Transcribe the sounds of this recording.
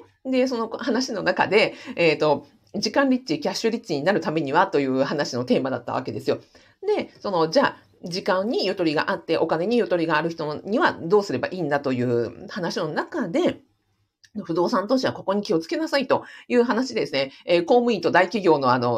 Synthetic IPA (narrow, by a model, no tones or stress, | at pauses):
d̪e̞s̬o̞nohanaɕino̞naka̰d̪e̞eːt̪o̞ | d͡ʑikãnɾʲit͡ɕikʲaɕːɨɾʲit͡ɕːiɲ̟inaɾɯ̟t̪ame̞ɲ̟iβat̪o̞jɯ̟ːhanaɕino̞t̪e̞ːmad̪at̪ːa̰β̞a̰ke̞d̪e̞sɨjo̞ | d̪e̞so̞no̞d͡ʑaː | d͡ʑikãɲ̟ːijo̞t̪o̞ɾʲiɡa̰ʔat̪ːe̞ʔo̞kane̞ɲ̟ijo̞t̪o̞ɾʲiɡaːɾɯ̟çi̥t̪o̞ɲ̟iβad̪o̞ːsɨɾe̞ba̰ʔiːnd̪at̪o̞jɯ̟ːhanaɕino̞nakad̪e̞ | oɸɯ̟d̪o̞ːsãnt̪o̞ɕiβako̞ko̞ɲ̟ikʲio̞t͡sɨ̥ke̞nasait̪o̞jɯ̟ːɦanaɕid̪ed̪esɨne̞eːko̞ːmɯ̟it̪o̞d̪aikʲiɡʲo̞ːno̞ano̞